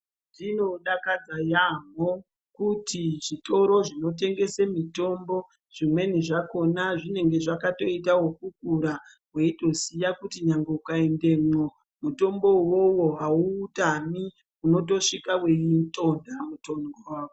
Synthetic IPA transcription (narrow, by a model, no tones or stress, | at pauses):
ʐino̞ɗakad͡zajamo | kutiʐito̞ɾo̞ʐino̞t̬e̞ŋɡe̞semito̞mbo̞ | ʐ̥imwe̞niʐako̞naʐine̞ŋɡe̞ʐakato̞itawokuk̚uɾa | ɦwe̞ito̞sijakutiɲaŋɡe̞ukaende̞ːmo | muto̞mbo̞wowo̞ɦauːtani | uno̞toʂikaweintʼo̞ndamutonɡoawo